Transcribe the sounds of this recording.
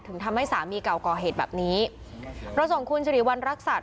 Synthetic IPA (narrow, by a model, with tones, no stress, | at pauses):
t̪ʰɯ˩˦t̪ʰa˧mha˥˩jsaː˩˦miː˧ka˨˩wkɔː˨˩ɦeː˨˩t̪̚bɛ̰ː˨˩p̚niː˦˥ | ɾa˧wso˨˩˦ŋkʰu˧nsʰɾiː˨˩˦wa˧nɾa˦˥k̚sa˨˩